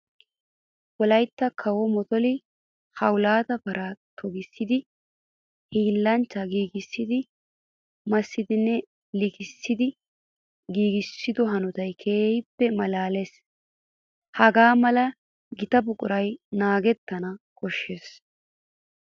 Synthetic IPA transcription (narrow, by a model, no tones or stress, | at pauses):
wɔlɐjt̪ːɐkʰɐwɔmɔt̪ɔlɪ | hɐwʊlaːt̪ɐpɐɾʔat̪ʰɔɡɪsːɪd̪ɪ | hiːlːɐnt͡ʃːɐɡiːɡɪsːɪd̪ɪ | mɐsːɪd̪ɪnːɛ | lɪkɪsːɪd̪ɪ | ɡiːɡɪsːɪd̪ɔɦɐnʊt̪ɐjkʰeːjɪpːɛmɐlaːles | hɐɡaːmɐlɐ | ɡɪt̪ɐbʊkʼʊɾɐjnaːɡɛt̪ːɐnɐkɔʃːes